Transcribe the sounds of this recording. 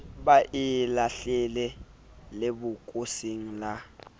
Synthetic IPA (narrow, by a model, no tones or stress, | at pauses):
baʔɪlaɬɛlɛ | lebʊkʼosiŋ̩la